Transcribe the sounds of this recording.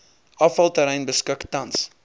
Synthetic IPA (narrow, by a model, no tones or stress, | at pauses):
ʔɐfɐlˠtəɾɛjnbəskəktɐns